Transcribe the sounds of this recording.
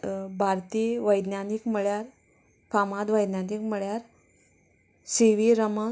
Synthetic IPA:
bʱaɾt̪iʋəjd̪nanikməɭjaɾ | pʰamad̪ʋəjd̪nanikməɭjaɾ | siʋiɾəmə

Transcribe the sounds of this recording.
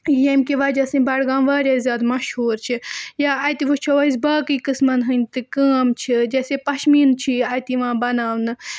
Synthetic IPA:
jemkiʋɐd͡ʒɐsɨnʲbɐɽɡaːmʋaːɾʲjaːzʲjaːd̪mɐʃhuːɾt͡ʃʰijaːɐːjt̪iʋot͡ʃʰoʋɐis̬baːkikɨsmɐnɦɨnʲt̪ɨkaːmt͡ʃʰid͡ʒɐːsepɐʃmiːnt͡ʃʰiɐːjt̪iʋãːbɐnaːʋnɨ

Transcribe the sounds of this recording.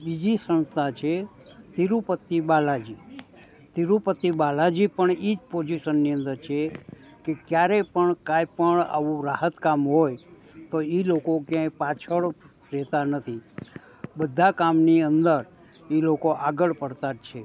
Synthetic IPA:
bid͡ʒisə̃nst̪ʰat͡ʃʰe | t̪iɾupət̪ːibalad͡ʒi | t̪iɾupət̪ːibalad͡ʒipəɳid͡ʒpod͡ʒiʃənːiə̃nd̪əɾt͡ʃʰe | kekjaɾepəɳkajpəɳa̰ʋũɾaɦət̪kamɦoj | t̪oilokokjãĩpat͡ʃʰəɭ | ɾɛt̪anət̪ʰi | bəd̪ʱːakamniənd̪əɾ | ilokoʔaɡəɭpəɽt̪at͡ʃʰe

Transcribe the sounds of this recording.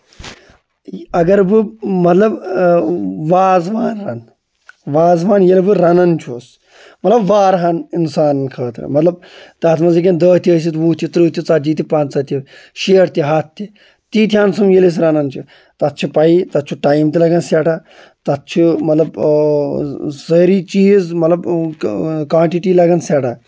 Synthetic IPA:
ɐɡɐɾbɨmɐt̪lɐb | ʋaːzʋaːnɾɐn | ʋaːzʋaːnjelbɨɾɐnɐnt͡ʃʰoːs | mɐt̪lɐbʋaːɾɦɐninsaːnkʰɐːt̪ɾɐ̰mɐt̪lɐb̚t̪aːt̪ʰmɐnzik̬ʲɐnd̪əːt̪ʰiəːs̬it̪ʋuːt̪ʰit̪ɾɨːt̪ʲit͡sad͡ʒiːt̪ipaːnt͡sɐt̪ʰiʃeːɾt̪ʲiɦaːt̪ʰt̪ːi | t̪iːt̪̬ʰʲjaːnsumjelis̬ɾɐnɐnt͡ʃʰi | t̪ɐt̪̚t͡ʃʰipɐit̪ɐt̪̚t͡ʃʰuʈaːjimt̪ilɐɡɐnsaːʈa | t̪ɐt̪̚t͡ʃʰimɐt̪lɐb | zɐːɾiːt͡ʃiːzmɐt̪lɐb | kãːɳʈiʈiːlɐɡɐnsʲaːʈʰaː

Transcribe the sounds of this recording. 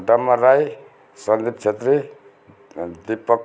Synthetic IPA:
ɖʌmːaɾaj | sʌnd̪ip̚t͡ʃʰet̪ɾi | d̪ipʌk

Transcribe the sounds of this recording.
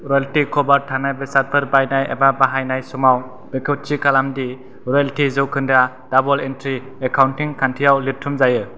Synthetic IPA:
ɾɔjaltikʰɔbaɾtʰanajbesat̚pʰɯɾbajnajḛbabaɦajnajsɔmaw | bekʰɯt͡ʃikalamdi | ɾɔaltizɯwkʰɯnda | d̥abɔlentʰɾi | ekʰawntiŋkʰantʰijawlitʰumzajɯ

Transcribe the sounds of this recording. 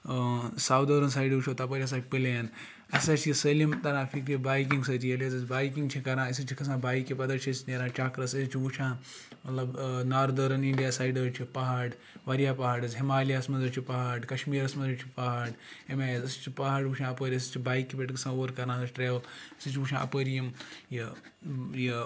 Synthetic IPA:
saːwd̪ɐːɾɐnsaːiɖut͡ʃʰoːt̪ɐpɐɾʲiɐs̬aːt͡ʃʲpileːn | ɐsɐt͡ʃʰisɐlimt̪ɐɾãːfikɾibaːjk̬ĩŋɡsɐd͡ʒ̪ijɐlezɐsbaːjkĩŋɡt͡ʃʰikɐɾãːis̬ɨt͡ʃʰikʰɐs̬ãːbaːjkːipɐd̪ɐt͡ʃʰisneːɾãːt͡ʃaːkɾɐsɐst͡ʃʰiʋut͡ʃʰãː | mɐt̪lɐbnaːɾd̪ɐɾɐniɳɖijaːsaːjɖɐt͡ʃʰipɐɦaːɖ | ʋɐɾijaːpɐɦaːɖɐzʲɦimaːlijaːsmɐnzɐt͡ʃʰipɐɦaːɖkɐʃmiːɾɐsmɐnzɐt͡ʃʰi̥pɐɦaɖemaːjɐzɐst͡ʃʰipɐɦaːɖʋuʃʰãːɐpəɾʲis̬t͡ʃʰibaːjkːipʲeːʈkʰɐsãːoːɾkɐɾãːsɐt͡ʃʰʈɾeːʋɐlisɨt͡ʃʰiʋuʃʰãːʔɐ̰pəːɾijɐmji | ji

